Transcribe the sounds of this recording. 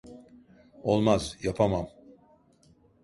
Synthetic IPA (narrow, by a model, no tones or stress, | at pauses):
o̞lˠmazjapʰamam